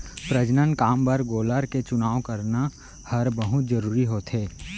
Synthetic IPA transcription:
pɾəd͡ʒnənkaːmbɐɾɡoːləɾket͡ʃʊnaːʋokɐɾna | hɐɾbɐɦʊt̪d͡ʒɐɾuːɾiɦoːt̪ʰɦeː

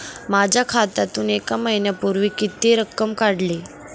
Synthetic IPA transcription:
mad͡ʑʱakʰat̪at̪uːnekaməɦinjapuɾʋiːkit̪iːɾəkːəmkaɽli

